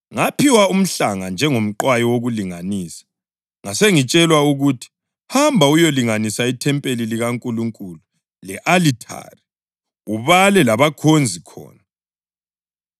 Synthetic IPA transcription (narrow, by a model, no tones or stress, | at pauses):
ŋapʰiwaum̩ɬaŋand͡ʒʱɛŋom̩ǃwajɔwoɣuliŋaniːsḁ | ŋaseŋit͡ʃʼɛlwauɣutʰi̥ | hambʱaujoliŋanisaitʰɛmpʼeliliɣaŋkʼuluŋkʼulu | lɛʔalitʰa̰ri | uβalɛlaβakʰond͡zʱikʰɔ̰ːna